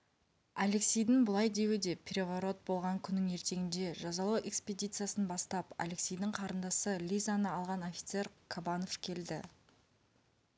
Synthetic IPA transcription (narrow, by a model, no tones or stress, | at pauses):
ale̞ksʲejd̪ɪŋbʊlˠɑjd̪e̞wɪd̪e̞pʲʰrʲe̞vaɾo̞t̪̚bo̞lˠʁɑŋkʲʰʏnːɪŋe̞ɾt̪e̞ɡʲɪnd̪e̞ʒɑzɑlˠɑwʔe̞kspʲed̪ʲijt̪sɨjasənbɑst̪ɑpa̰leksʲejd̪ɪɴqʰɑɾənd̪ɑsəlʲijzanəɑlˠʁɑno̞fʲi̥t̪se̞ɾkʰabano̞fkʲʰe̞ld̪ɪ